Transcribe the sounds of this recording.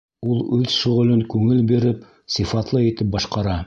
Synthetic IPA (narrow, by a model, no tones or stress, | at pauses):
ulˠʉðʃŏʁŏlɵŋkʉŋɘlbiɾɘp | sifɑt̪lˠɤit̪ɘp̚bɑʃqɑɾɑ